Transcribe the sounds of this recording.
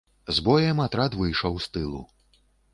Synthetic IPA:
zbɔjɛmat̪ɾat̪vɨjʂɐwst̪ɨlˠṵ

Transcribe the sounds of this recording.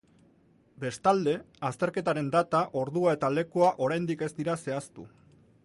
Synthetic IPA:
be̞st̪ald̪e̞ | ast̪e̞ɾke̞t̪aɾe̞nd̪at̪aʔo̞ɾðuae̞t̪ale̞kuaʔo̞ɾajnd̪ike̞zd̪iɾase̞ast̪ṵ

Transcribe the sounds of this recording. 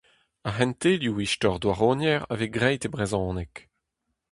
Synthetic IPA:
aɦɛ̃nt̪eljuiʃtɔʁd̪waʁoːnjɛʁa̰veɡʁɛjtebʁezɔ̃ːnɛk

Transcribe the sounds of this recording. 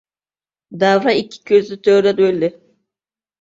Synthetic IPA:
d̪avɾaicʲʰi̥cʲʰøzlʲyt̪ʰøɾd̪ad̪ølʲːɛ

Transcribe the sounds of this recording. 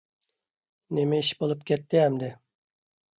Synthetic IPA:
nemɛiʃbolˠup̚kʲʰɛt̪ːɪɛmd̪ɪ

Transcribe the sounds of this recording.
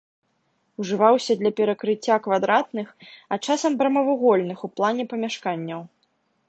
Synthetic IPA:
uʐɨvawsʲɐd̪lʲɐpʲɛɾɐkɾɨt͡sʲːakvad̪ɾat̪nɨxɐt͡ʂasɐmbɾɐmɐvuɣɔlʲnɨxuplˠanʲɛpɐmʲaʂkanʲːɐw

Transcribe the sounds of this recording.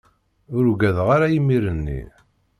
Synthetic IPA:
ʊɾuɡæðʁaɾajimːiɾənːḭ

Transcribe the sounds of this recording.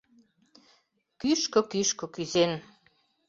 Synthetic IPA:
kyʃkŏkyʃkŏkyzen

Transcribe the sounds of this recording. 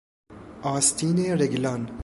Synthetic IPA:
ɑːst̪iːneɾeɡlan

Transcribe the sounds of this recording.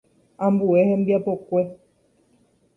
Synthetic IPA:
ãmbuehẽmbiapo̞kʷe

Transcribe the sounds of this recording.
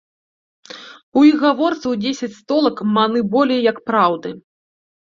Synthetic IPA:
uixɣavɔrt̪sɐwd͡zʲesʲɐt͡sʲst̪ɔlˠɐkmanɨbɔlʲɛjjɐkpɾawd̪ɨ

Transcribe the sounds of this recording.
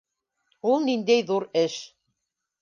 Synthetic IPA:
ulˠnind̪æjðuɾɘʃ

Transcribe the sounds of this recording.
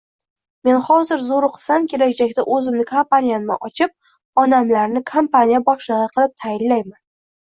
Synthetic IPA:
me̞nχɒzɪɾzoɾqʰɨ̥samkʲʰe̞laɡʲd͡ʒakʲt̪aʔɵzɪmnɪkʰampanʲijannɪ̰ʔɒt͡ʃʰɪp̚ | ɒnamlaɾnɪkʰampanʲijabɒʃlɨʁɨqʰɨlˠɪp̚t̪ʰajɪnlajman

